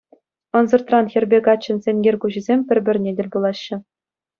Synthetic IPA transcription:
ɤ̆nzɤ̆rt̪rɑnxʲɘ̆rʲbʲekɑt͡ɕːɘ̆nsʲenʲɡʲerʲkuʑizʲemʲpʲɘ̆rʲbʲɘ̆rʲnʲedʲɘ̆lʲbulˠɑɕːɘ̆

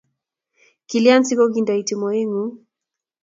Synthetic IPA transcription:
kiliantiɡɔɡindaitimɔiŋu

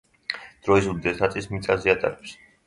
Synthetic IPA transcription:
d̪̥ɾɔizuld̪ɛsnat̪sʼismit̪sʼazɛat̪ʼa̰ɾɛps

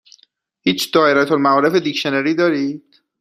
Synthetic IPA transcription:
hiːt͡ʃʰd̪̥ɒːeɾæt̪ʰolmæɒːɾe̞fe̞d̪icʃeneɾiːd̪ɒːɾiːd̪̥

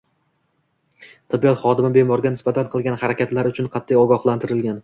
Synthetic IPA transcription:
t̪ʰabijɒt̪χɒd̪ɪmɪbe̞mɒɾɡʲanɪsbat̪ʰanqʰɨlˠɡʲanhaɾakʲat̪laɾʊt͡ʃʰʊnqʰɑt̪ʰːijɒɡɒχlˠant̪ʰɪɾɪlɡʲan

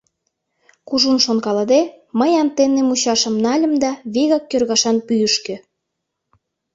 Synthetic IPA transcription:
kuʒunʃonkɑlɤd̪e | məjɑnt̪enemut͡ɕɑʃə̆mnɑlʲə̆md̪ɑβeɣɑkːørɣɑʃɑnpyjəʃkø̆

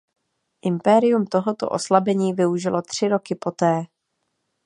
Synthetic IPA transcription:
ʔɪmpɛɾɪjumt̪o̞ɦo̞t̪o̞̰ʔo̞slabɛɲiːvɪuʒɪlo̞t̪r̝̥ɪɾo̞kɪpo̞t̪ɛː

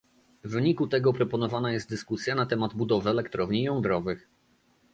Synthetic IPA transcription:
vɘɲikut̪ɛɡɔpɾɔpɔnɔvanajɛst̪̚d̪ɘskusʲjanat̪ɛmad̪bud̪ɔvɘɛlɛkt̪ɾɔvɲijɔ̃ñd̪ɾɔvɘx

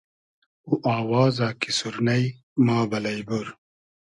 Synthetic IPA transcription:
uʔaːwaːzaːkisuɾnɐj | maːbɐlɐjbuɾ

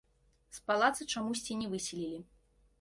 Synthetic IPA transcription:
spalˠat̪sɨt͡ʂamusʲt͡sʲinʲɛvɨsʲilʲilʲi

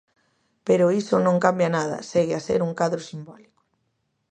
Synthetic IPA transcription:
peɾʊisonõŋkambjanaðɐ̰seɣeasḛɾuŋkaðɾʊsimbɔlikʊ̥

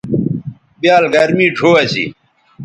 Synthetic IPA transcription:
bjaːlɡɐɾmiːʈʰoːɐɕḭ

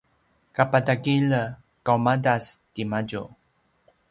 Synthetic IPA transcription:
kapadaɡilə | kawmadastimaɟu

